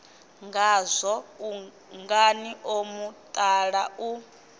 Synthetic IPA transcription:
ŋɡazʷɔu | ŋɡaniʔomut̪ʼaɺaʔu

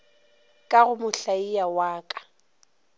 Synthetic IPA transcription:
kʼaɣʊmʊɬaijawaːkʼḁ

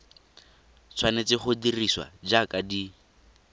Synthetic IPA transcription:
t͡sʰwanet͡sɪχʊdiriswa̰d͡ʒakadi

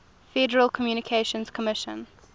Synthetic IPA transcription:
fɛdəɹəlˠkʰɔmjuːnɪkʰeʃə̃nskʰɔmɪʃə̰̃n

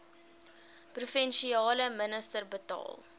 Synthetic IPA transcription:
prufɛnʃiɑːləmənəstərbətɑ̰ːl

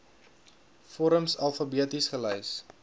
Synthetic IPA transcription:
fɔɾəmsɐlˠfəbiətisχələjs

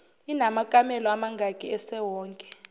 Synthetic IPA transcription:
inamakʼamɛlɔamaŋɡʱakʼiɛsɛwɔːŋkʼɛ̥

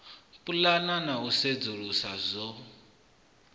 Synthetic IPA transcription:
pulananaused͡zuɺusazʷɔ

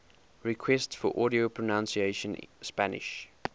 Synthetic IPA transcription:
ɹikʰwɛstsfɔʔɔɾiopʰɹənãnsieʃə̃nspænɪ̰ʃ

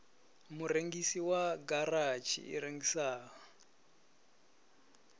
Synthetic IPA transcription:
muɾeŋɡisiwaɡarat͡ʃʰḭḭɾeŋɡisaːa

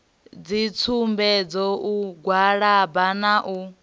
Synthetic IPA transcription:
d͡zit͡sʰumbɛd͡zɔʔuɡwaɺabanaʔu

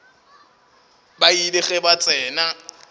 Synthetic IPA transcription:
baidɪɣɛbat͡sʼɛːna

